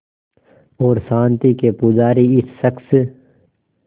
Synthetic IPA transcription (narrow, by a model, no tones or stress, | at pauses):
ɔːɾsãːnt̪ikepʊd͡ʒaːɾiɪsːɐks